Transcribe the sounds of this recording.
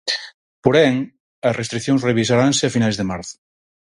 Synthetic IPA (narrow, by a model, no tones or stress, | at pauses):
poɾɛŋ | ɐsrest̪ɾikθjoŋsreβ̞is̬aɾanseafinajzðemaɾθʊ̥